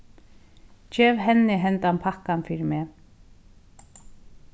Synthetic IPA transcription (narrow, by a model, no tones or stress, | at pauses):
t͡ʃɛːvɦɛnːɪɦɛnt̪anpʰahkːanfiːɾɪmɛː